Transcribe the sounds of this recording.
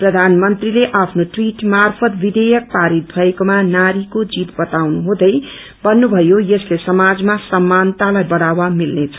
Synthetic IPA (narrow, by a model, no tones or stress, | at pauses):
prʌd̪ʱanmʌnt̪rileʔapʰnoʈwiʈmarpʰʌt̪bid̪ejʌk̚paɾit̪̚bʱʌekomanaɾikod͡zit̪bʌt̪awnuɦõd̪ʌj | bʌnːubʱʌjojʌslesʌmad͡zmasʌmːant̪alajbʌɽawamilnet͡sʰʌ̥